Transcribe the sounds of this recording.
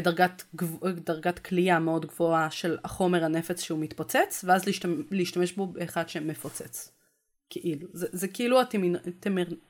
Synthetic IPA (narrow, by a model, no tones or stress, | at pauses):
daʁɡatɡvdaʁɡatkʰliameo̞dɡvoaʃelaχo̞meʁhane̞fet͡sʃeumit̪pot͡set͡sveazliʃleiʃtame̞ʃbo̞beːχadʃemefot͡set͡s | kʰeʔiluzezekeiluatmint̪emeʁ